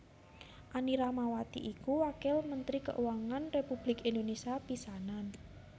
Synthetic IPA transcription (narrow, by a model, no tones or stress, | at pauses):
ʔaniɾamawat̪ḭʔikuwakɪlmənt̪ɾikə̰ʔuwaŋanrepub̥lɪkind̪onesiapisanan